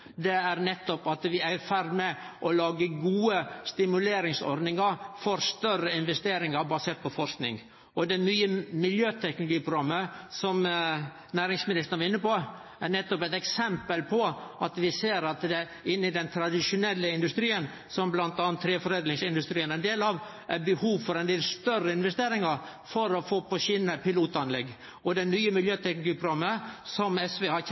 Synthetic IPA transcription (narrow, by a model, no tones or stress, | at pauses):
d̪ɛæɾnɛt̪ːɔpɑt̪ʋɪæɪɾfæɾd̪mɛʔɔlɑːɡəɡuːəst̪ɪmʉleːɾɪŋsɔ̰ɾd̪nɪŋɑɾfɔɾst̪œɾəɪnʋɛst̪eːɾɪŋɑɾbɑseːɾt̪̚pʰɔfɔɾʂknɪ̰ŋ | ʔɔd̪ɛmyːəmɪljøːt̪ʰɛknʊlʊɡiːpɾʊɡɾɑmːəsɔm | næːɾɪŋsmɪnɪst̪ənəʋɑɾɪnːəpɔ | æɾnɛt̪ːɔpɛɪt̪ɛksɛmpəlpʰɔʔɑt̪ʋɪseːɾɑt̪d̪ɛ | ɪnːɪd̪ɛnt̪ʰɾɑd̪ɪʂʊnɛlːəɪnd̪ʉst̪ɾiːən | sɔmblɑnt̪ɑnɑnt̪ʰːɾeːfɔɾeːd̪lɪŋsɪnd̪ʉst̪ɾiːənæɛnd̪eːlɑʋ | ʔæɾbəhuːʋfɔɾɛnd̪eːlst̪œrəɪnʋɛst̪eːɾɪŋɑɾ | fɔɾɔfoːpʰɔʃɪnəpɪluːt̪ɑnlɛɡː | ɔd̪ɛmyːəmɪljøːt̪ʰɛknlʊɡiːpʰɾʊɡɑmːəsɔmɛsʋehɑ